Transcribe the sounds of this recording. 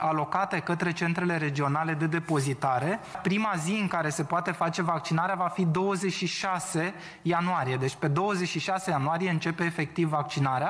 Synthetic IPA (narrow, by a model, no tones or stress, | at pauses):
alo̞kat̪e̞kət̪ɾe̞t͡ʃe̞nt̪ɾe̞le̞ɾe̞d͡ʒio̞nale̞d̪e̞d̪e̞po̞zit̪aɾe̞pɾimaziɨŋkaɾe̞se̞poat̪e̞fat͡ʃe̞vak̚t͡ʃinaɾeavafid̪o̞wəze̞t͡ʃʃiʃase̞ | januaɾije̞d̪e̞t͡ʃʲpe̞d̪o̞wəzet͡ʃʲʃiʃase̞januaɾije̞ɨnt͡ʃe̞pe̞ːfe̞k̚t̪ivːak̚t͡ʃinaɾea